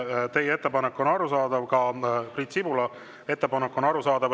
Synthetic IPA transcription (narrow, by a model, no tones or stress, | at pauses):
t̪e̞jeet̪ːe̞pɑnekːˑo̞nɑɾusɑːd̪̥ɑvkɑprit̪sibulɑ | e̞t̪ːe̞pɑnekːˑo̞nɑɾusɑːd̪̥ɑv